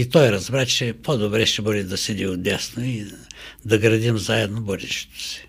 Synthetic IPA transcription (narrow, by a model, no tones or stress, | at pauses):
it̪ɔjɾɐzbɾat͡ʃɛpʰod̪obɾɛʃɛbɤd̪id̪ɐsɛd̪ʲiod̪ɛsnoid̪ɐɡɾɐd̪ʲimzaɛd̪nobɔd̪iʃi̥t̪o̥si̥